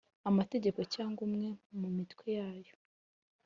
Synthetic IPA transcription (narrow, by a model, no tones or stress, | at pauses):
amate̞ɟe̞ko̞caːŋɡumŋe̞mumitkwejaːjo̞